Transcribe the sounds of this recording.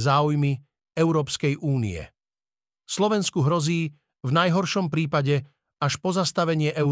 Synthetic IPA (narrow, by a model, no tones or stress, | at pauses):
zaːujmi | ɛʊɾɔːpskɛjʔuːnḭɛ̰ | slɔʋɛnskuɦɾɔziː | vnajɦɔɾʃɔmpɾiːpaɟɛ | aʃpɔzast̪aʋɛɲɪɛʔɛ